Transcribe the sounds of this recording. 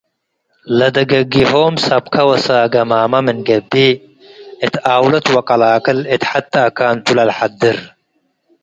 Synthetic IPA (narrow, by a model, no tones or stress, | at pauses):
lɐd̪ɐɡɐɡihoːmsɐb̚kʰɐwɐsaɡɐmaːmɐmɨnɡɐbːi | ɨt̪aːwlɐt̪wɐkʼɐlaːkɐlɨt̪ħat̪ːɐːkːaːnt̪ʰulɐlħad̪ːɨɾ